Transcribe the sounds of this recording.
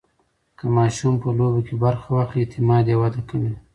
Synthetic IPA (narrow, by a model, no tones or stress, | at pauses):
kəmɑʃumpəlobakebaɾxawaxlit̪ɪmɑd̪jewad̪akawi